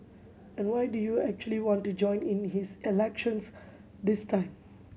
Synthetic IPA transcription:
ɛ̃nɖwaɪɖujuæk̚t͡ʃuəliʋɔ̃ːnʈːud͡ʒɔ̃ɪ̃nɪ̃nhɪzɪlɛkʃə̃ns | d̪ɪstãɪ̃m

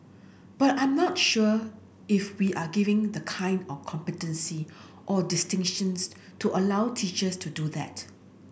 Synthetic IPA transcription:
b̥atãj̃mnɔtʃuə | ɪfwiʔaɡivɪ̃ŋdəkʰãɪ̃ndɔfkʰɔ̃mpɛtə̃nsi | ʔɔdɪstɪ̃ŋʃə̃ns | tʰuʔəlawtʰit͡ʃəstʰuduðɛ̰t

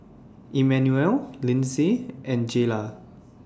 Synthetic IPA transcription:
ʔimɛ̃njuɛllĩnsiʔɛ̃nd͡ʒela

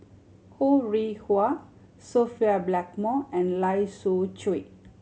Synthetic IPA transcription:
huɹihwa | sofiablɛk̚mɔɛ̃nlajsut͡ʃe

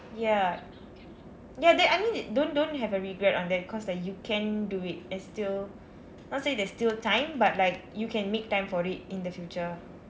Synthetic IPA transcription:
ja | jadɛajmĩndõndõnɦɛvəɹiɡɹɛtɔ̃ndɛt̚kʰɔslaɪk̚jukʰɛ̃nduit̚ɛ̃nstil | nɔt̚sedɛstiltãɪ̃mbat̚laɪk̚jukʰɛ̃nmek̚tãɪ̃mfɔɹit̚ĩndəfjut͡ʃə

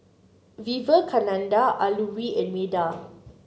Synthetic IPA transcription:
vivəkʰanãndaʔaluwiɛ̃nmeda

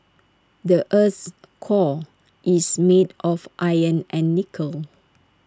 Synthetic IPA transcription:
dəʔəs | kʰɔ | ʔismedʔɔfʔajə̃nɛ̃nːikʰəl

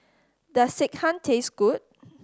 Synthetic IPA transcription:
dəsik̚hãntʰesɡ̥ut̚

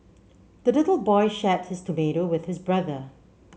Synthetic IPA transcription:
d̪əlɪtəl̩ˠbɔɪʃɛt̚hɪstʰomeɾowɪðhɪsbɹʌðə

